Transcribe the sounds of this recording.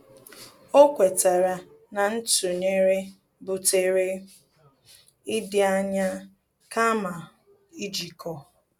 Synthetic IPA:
o˦kʷe˨ta˨ɾa˨ | na˨n̩˦tu˨ne˦ɾe˦ | bʊ˨te˦ɾe˦ | ɪ˦dɪ˦a˦ɲa˦ | ka˦ma˨ | i˦d͡ʒi˨kʰɔ˨

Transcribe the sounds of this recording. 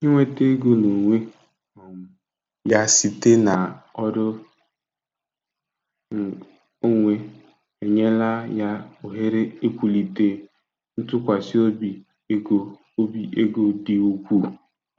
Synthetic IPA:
ɲe˦ŋʷe˦te˦ɡo˦no˨ŋʷe˦ | ɔ˨ŋʊ˨ | ja˦si˨te˦na˨ɔ˦dʊ˦˨ | o˦ŋʷe˦ | e˨ɲe˦la˦ja˦o˨ɦe˦ɾe˦e˦kʷu˨li˨te˨ | n̩˦tʊ˦kʷa˨si˦o˦bi˨˦ | ɡo˨˦ | bi˦e˦ɡo˦di˦u˦kʷu˦˨

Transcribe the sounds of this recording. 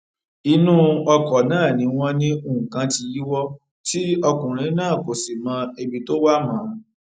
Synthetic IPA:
i˧nũ˦ɔ˧kɔ˨nãː˦˨nĩ˨˧˦w̃ɔ̃˦nĩ˦u˦˨kã˧ti˧ji˦wɔ˦ | ti˦ɔ˧kũ˨ɾ̃ĩ˨˦nãː˦˨ko˨si˨mã˧˦e˧bi˧to˦wa˦mã˨˦

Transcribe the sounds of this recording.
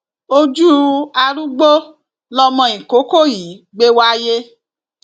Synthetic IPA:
o˦d͡ʒu˦a˧ɾu˦ɡ͡bo˦ | lɔ˧mã˧ĩ˨ko˨˦ko˦˨ji˨˦ɡ͡be˦wa˦je˦

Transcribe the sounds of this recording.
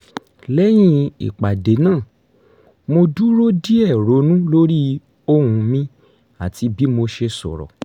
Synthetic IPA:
lɛ˦j̃ĩ˧ḭ˨k͡pa˨de˨˦nãː˦˨ | mo˧du˦ɾo˦di˦ɛ˦˨ɾo˨˦nũ˦lo˦ɾi˦ | o˦hũ˧mĩ˧˦ | a˦˨ti˧˦bi˦mo˧ʃe˧sɔ̰˨ɾɔ̰˨

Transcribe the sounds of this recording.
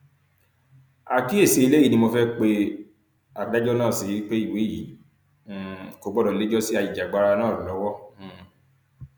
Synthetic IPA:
a˨ki˦e˦˨se˨˦i˧le˦i˨˦nĩ˧mo˧fɛ˦k͡pe˧ | a˨da˦d͡ʒɔ˦nãː˦˨si˨˦i˦k͡pe˦i˦˨we˨˦jḭː˨˦˨ | ko˦bɔ˦ɾɔ˨i˨le˦d͡ʒɔ˦si˦a˧ji˨d͡ʒa˨ɡ͡ba˨˦ɾa˧nãː˦˨ɾu˨lɔ˨˦wɔ˦˨

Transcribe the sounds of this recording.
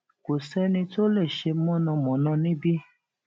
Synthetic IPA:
ko˨sɛ˦nĩ˧to˦le˦˨ʃe˧mɔ̃˦nã˧mɔ̃˨˦nã˦˧nĩ˦bi˦

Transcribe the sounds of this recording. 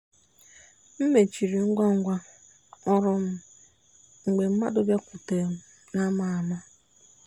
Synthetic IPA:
m̩˦me˨t͡ʃi˨ɾi˨ŋ̩˦ɡʷa˦ŋ̩˦ɡʷa˦ | ɔ˦ɾʊ˦m̩˦ | ŋ̩˨ɡ͡be˨m̩˦ma̰˦dʊ˦ba˦kʷʊ˨te˨m̩˦ | na˦ma˨a˨ma˦

